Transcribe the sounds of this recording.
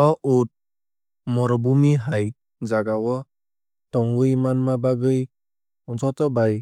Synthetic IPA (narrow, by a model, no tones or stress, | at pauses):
ɔut̚ | mɔɾɔbumiɦaj | zaɡawɔ | tɔŋɡɯjmanmabaɡɯj | unzɔtɔbaj